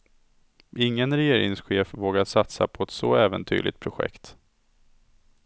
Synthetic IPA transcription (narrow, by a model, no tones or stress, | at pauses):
ʔɪŋːənɾɛjeːɾɪŋsɧeːfvoːɡad̪sat̪sa̰pʰɔɛt̪sɔ̰ɛːvə̰nt̪ʰy̰ːdlʔɪ̰t̪̚pʰɾʊɧɛ̰kt̪